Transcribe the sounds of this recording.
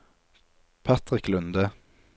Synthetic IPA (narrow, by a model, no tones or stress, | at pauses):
pʰɑt̪ʁɪklʉnd̪ə